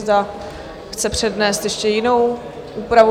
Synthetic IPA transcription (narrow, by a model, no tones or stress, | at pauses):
zda | xt͡sɛpr̝̥ɛdnɛːst̪jɛʃcɛjɪnow | ʔupɾavu